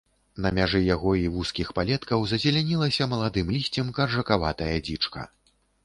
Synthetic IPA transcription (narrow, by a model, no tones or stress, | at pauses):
nɐmʲaʐɨjaɣɔivuskʲixpalʲɛt̪kɐwzɐzʲɛlʲanʲilˠɐsʲɐmɐlˠad̪ɨmlʲisʲt͡sʲimkɐrʐɐkava̰t̪ɐjɐd͡zʲit͡ʂkɐ̰